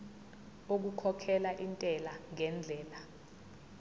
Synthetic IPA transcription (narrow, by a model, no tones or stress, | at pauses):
ok̬ukʰɔkʰɛlaʔintʼɛlaŋɛnd͡ɮʱɛːla